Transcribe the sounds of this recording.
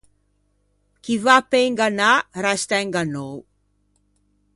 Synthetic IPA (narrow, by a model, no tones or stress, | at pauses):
kivapejŋɡanaɾast̪ajŋɡanow